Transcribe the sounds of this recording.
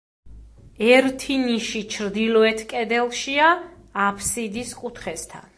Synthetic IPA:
ɛɾt̪ʰiniʃit͡ʃʰɾd̪ilɔɛt̪ʰkʼɛd̪ɛlˠʃiaː | pʰsid̪iskʼut̪ʰχɛst̪ʰa̰n

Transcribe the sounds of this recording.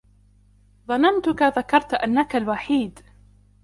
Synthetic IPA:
ðˤɑnant̪ʊkaðakɑɾˤt̪ʔanːakalwaħiːd̪

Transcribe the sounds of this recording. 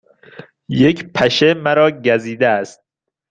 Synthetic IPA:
jecʰpʰæʃemæɾɒːɟæziːd̪eæst̪̚

